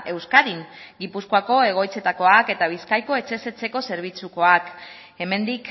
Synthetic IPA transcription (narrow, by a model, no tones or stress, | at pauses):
e̞wskaðiŋɡipuskoako̞e̞ɣ̞o̞jt͡se̞t̪ako̞ake̞t̪aβ̞iskajko̞e̞t͡se̞se̞t͡se̞ko̞se̞ɾβ̞it͡suko̞ak | e̞me̞nd̪ik